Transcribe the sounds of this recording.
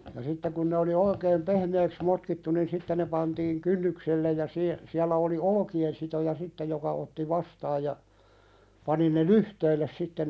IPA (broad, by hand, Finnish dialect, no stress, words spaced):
jɑ sitːe kun ne oli oikeːm pehmeːks motkitːu nin sitːe ne pɑntiːŋ kynːykselːe jɑ sie siælːæ oli olŏkien sitojɑ sitːe jokɑ otːi ʋɑstɑːj jɑ pɑni ne lyhteilːes sitːe